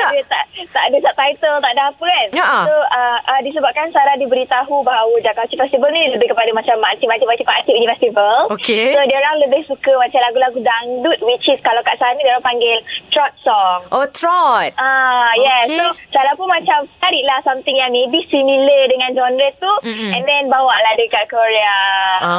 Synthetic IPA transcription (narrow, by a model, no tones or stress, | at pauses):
iət̪a̰ʔt̪a̰ʔdəsaʔ̚t̪ajt̪əlt̪aʔdapəanʔsoəʔədisəbap̚kansaɾahdibəɾit̪aɦubaudakawt͡ʃifɛst̪ivəlniləbɪhkəpadamat͡ʃamːat̪imat̪imat̪ipaʔat̪iʔunifɛst̪ivəlokesodioɾaŋləbɪhsukəmat͡ʃalaɡulaɡudaŋdut̪̚wit͡ʃiskalawkaʔsaɦanidioɾaŋpaŋɡɪlt̪ɾɔt̪̚sɔŋʔot̪ɾɔt̪̚ajɛsosaɾapunmat͡ʃamt̪aɾiʔlahsamt̪ɪŋjaŋmebisimilədəŋãnd͡ʒɔndɾət̪uɛ̃ndɛnbawaʔlahdəkaʔ̚koɾea